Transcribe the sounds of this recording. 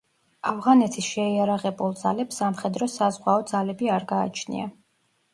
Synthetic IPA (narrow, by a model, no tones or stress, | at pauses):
avʁanɛt̪ʰisʃɛijaɾaʁɛbulˠd̪zalɛpsamχɛd̪ɾɔsazʁwaɔd̪zalɛbiaɾɡa̰ːt͡ʃʰnḭa̰